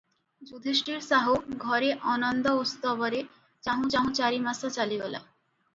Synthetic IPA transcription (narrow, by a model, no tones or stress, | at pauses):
d͡ʑud̪ʱeʃʈiɾsaɦuɡʱɔɾeʔɔnɔnd̪ɔost̪ɔbɔɾe | t͡ɕaɦũt͡ɕaɦũt͡ɕaɾimasat͡ɕalibɔla̰